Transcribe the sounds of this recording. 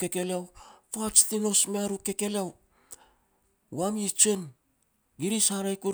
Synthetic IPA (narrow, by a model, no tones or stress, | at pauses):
ke̞ke̞leawpat͡ʃtino̞smeaɾuke̞ke̞leaw | wamit͡ʃen | ɡiɾishaɾajku